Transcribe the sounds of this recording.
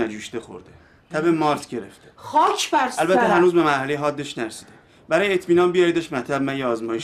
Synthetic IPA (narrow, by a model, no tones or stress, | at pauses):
æd͡ʒuːʃd̪exo̰ɾd̪e | t̪ʰæbemɒːɾt̪ʰɟe̞ɾḛft̪e̥χɒːkʰbæɾsælbæt̪ʰːɦænuːzbe̞mæɾhæleɦɒːd̪ːeʃnæɾesiːd̪̥e | bæɾɒːjeet̪ʰmiːnɒːnbijɒjd̪ɒːʃtmæt̪ʰæbmænjeɒːzmɒːjeʃ